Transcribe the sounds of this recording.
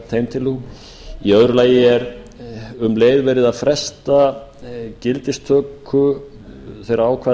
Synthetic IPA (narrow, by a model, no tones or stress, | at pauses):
t̪ʰejmt̪ʰɪlu | iœðɾʏlaːjɪɛɾ | ʏmleːjðvɛːɾɪðaðfɾɛst̪a | cɪlt̪ɪst̪ʰœːkʰʏ | θɛjɾaaːwkʰvaː